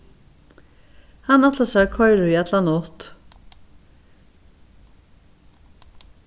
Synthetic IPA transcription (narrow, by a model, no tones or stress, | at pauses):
hɑnɑt̪ləsækʰɔʏɹʉiːɛt̪lɑnɔt̪